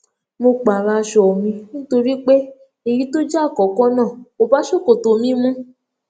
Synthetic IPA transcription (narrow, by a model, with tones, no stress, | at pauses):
mo˧k͡pa˨ɾa˧ʃɔ˨mĩ˧nĩ˦to˧ɾi˦k͡pe˦ | e˨ji˨˦to˦d͡ʒa˦˨kɔ˨˦kɔ̃˦nãː˦˨mo˧ba˨˦ʃo˦˨ko˨to˨˧mĩ˦mũ˦